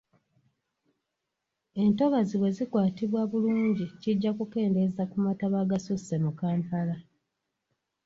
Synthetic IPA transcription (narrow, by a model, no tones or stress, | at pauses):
e̞nto̞βaziβwe̞zikwaːtiβwaβuluːɲɟiciɟːakuke̞ːnde̞zakumataβaɡasuse̞mukaːmpala